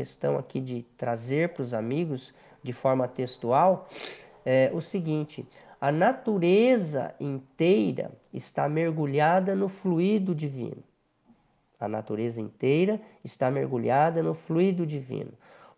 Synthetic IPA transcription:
est̪ɐ̰̃w̃a̰kid͡ʒɪt̪ɾazeɾpɾʊzamiɡʊz | d͡ʒɪfɔɾmɐt̪est̪uaw | ɛʔʊsɪɡĩnt͡ʃɪɐnat̪uɾezɐ̰ĩnt̪ejɾɐ̰ɪst̪a̰meɾɡuʎad̪ɐnʊfluid̪ʊd͡ʒivḭ̃nʊ | ɐnat̪uɾezɐḭ̃nt̪ejɾɐɪst̪ameɾɡuʎad̪ɐnʊfluid̪ʊd͡ʒivḭ̃nʊ

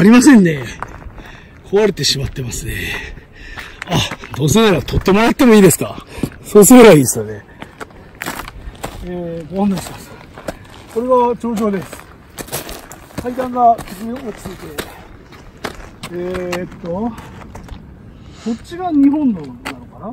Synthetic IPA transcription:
aɾʲimasẽ̞nːe̞ | kʰo̞βaɾet̪e̞ɕimat̪ːe̞masɨne̞̰ | ad̪o̞ːsɨnaɾat̪ʰo̞t̪ːe̞moɾat̪ːemoiːd̪e̞sɨ̥kaso̞ːsɨɡɯɾaisɨ̥t̪ane̞ | eɡoonaɕimas | ko̞ɾe̞ɡat͡ɕo̞ːʑo̞ːd̪e̞sɨ̥ | kʰait̪ãŋɡakɨɡiot͡sɨ̥t͡sɨit̪e̞ | et̪ːo | so̞tt͡ɕiɡaɲ̟iɦõ̞nːonano̞kana

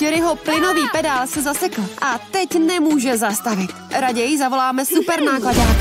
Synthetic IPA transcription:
t͡ʃɛɾɪɦo̞plɪno̞viːpɛdaːlsɛzasɛkl̩ʔat̪ɛcnɛmuːʒɛzast̪avɪt̪ɾaɟɛjɪzavo̞laːmɛsupɛɾnaːklada

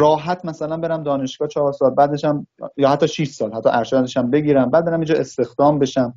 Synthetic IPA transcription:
ɾɒːɦæt̪ʰmæsælænbe̞ɾæmd̪ɒːne̞ʃɡ̥ɒːt͡ʃʰɒhɒːɾsɒːlbæːd̪eʃæmjɒːhæt̪ʰːɒːʃiʃsɒːlhæt̪ʰːɒ̰ʔæɾʃæd̪eʃæmbe̞ɡiːɾæmbæːd̪be̞ɾæmind͡ʒɒːʔest̪e̞xd̪̥ɒːmbe̞ʃæm

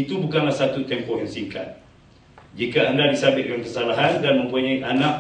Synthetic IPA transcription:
it̪ubukanlasat̪ut̪ɛmpɔʔjansiŋkat̪̚ | d͡ʒikaːndadisabɪʔ̪̚kankərsalaɦandanmə̃mpuɲaiʔanãk̚

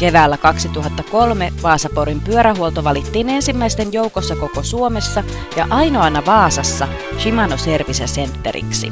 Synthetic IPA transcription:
ke̞ʋæːlːækɑksit̪uɦɑt̪ːɑko̞lme̞ʋɑːsɑpoɾimpyøɾæɦuolt̪o̞ʋɑlit̪ːiːne̞nsimːæist̪enjo̞wko̞sːɑko̞ko̞suomesːɑ | jɑʔɑjno̞ɑnːɑʋɑːsɑsːɑ | ʃimɑnose̞rʋisæse̞nt̪ːe̞̰ɾḭksḭ

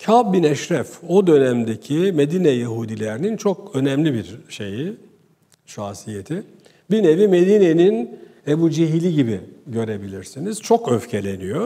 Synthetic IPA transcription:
cʰabbinɛʃɾɛfo̞d̪ø̞næmd̪ecʰime̞d̪inɛjaɦud̪ilʲeɾinint͡ʃʰo̞kø̞nɛmlʲibiɾʃe̞̰ji | ʃaːsijet̪ʰi | bine̞vime̞d̪inenin | ebud͡ʒiɦilʲiɟibḭɟø̞ɾe̞bilʲiɾsiniz̥t͡ʃʰo̞køfcʰe̞lʲe̞nijo

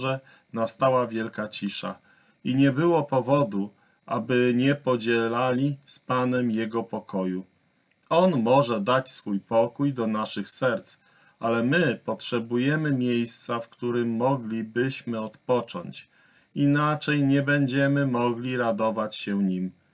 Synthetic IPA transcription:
ɛ | nast̪awavʲjɛlkat͡ɕiʂa̰ | iɲɛbɘwɔpɔvɔd̪u | ʔa̰bɘɲɛpɔd͡ʑɛlalʲispanɛmjɛɡɔpɔkɔju | ɔnmɔʐɛd̪at͡ɕsfujpɔkujd̪ɔnaʂɘxsɛɾt̪s | ʔalɛmɘpɔtʂɛbujɛmɘmʲjejst̪safkt̪uɾɘmːɔɡlʲibɘɕmɘɔt̪pɔt͡ʂɔ̰ɲt͡ɕ | inat͡ʂɛjɲɛbɛɲd͡ʑɛmɘmɔɡlʲiɾad̪ɔvat͡ɕɕɛɲim

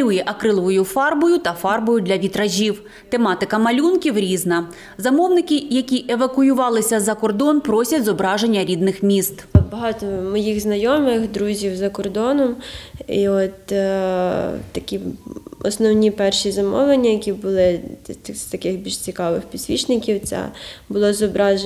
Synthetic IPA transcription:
ujɛʔɐkɾɪlˠɔʋɔjʊfɑrbɔjʊt̪ɐfɑrbɔjʊd̪lʲɐʋʲit̪ɾɐʒʲiw | t̪e̞mɑt̪ɪkɐmɐlʲunkʲiwɾʲiznɐ | zɐmɔwnɪkʲɪjɐkʲiʔeʋɐkʊjʊʋɑlˠɪsʲɐzɐkɔrd̪ɔnpɾɔsʲɐtʲzɔbɾɑʒe̞nʲːɐɾʲid̪nɪxmʲist̪bɐɦɑt̪ɔmɔjiɣznɐjɔmɪxd̪ɾuzʲiwzɐkɔrd̪ɔnɔmiɔt̪ | t̪ɐkʲiɔ̰snɔwnʲipɛrʃizɐmɔʋlˠenʲːɐjɐkʲibʊlˠɪst̪ɐkɪxbʲilʃt͡sʲikɑʋɪxpʲisʲʋʲit͡ʃnɪkʲiwt͡sʲɛ̰bʊlˠɔzɔbɾɑʒ

